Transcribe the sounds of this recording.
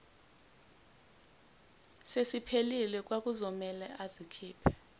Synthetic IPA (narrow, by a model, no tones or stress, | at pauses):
sesipʰelilɛk̬ʼwak̬ʼuzɔmɛlɛʔazikʰiːpʰɛ̥